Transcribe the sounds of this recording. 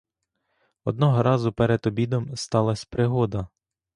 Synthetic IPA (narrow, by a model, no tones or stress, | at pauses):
ɔd̪̚nɔɦɔɾɑzʊpɛɾed̪ɔbʲid̪ɔmst̪ɑlˠɐsʲpɾɪɦɔd̪ɐ